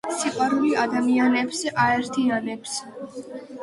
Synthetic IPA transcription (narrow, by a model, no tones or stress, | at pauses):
siqʼwaɾuliad̪amianɛpsʔaɛɾt̪ʰianɛps